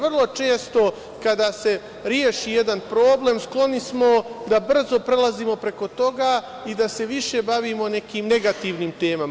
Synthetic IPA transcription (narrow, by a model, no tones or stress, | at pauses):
ʋr̩lˠo̞t͡ʃe̞ːst̪o̞ | kad̪aːse̞ | ɾjeːʃijed̪anpɾo̞ːble̞ːmsklˠo̞nismo̞d̪abr̩zo̞pɾelˠaziːmo̞pɾe̞ko̞t̪o̞ɡaː | id̪ase̞ʋiʃe̞baʋiːmo̞ne̞kiːmne̞ɡat̪iʋniːmt̪e̞ːmam